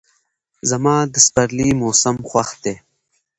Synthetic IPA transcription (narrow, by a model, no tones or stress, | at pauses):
zɐmɑːd̪əspaɾlimoːsəmxwaxd̪eː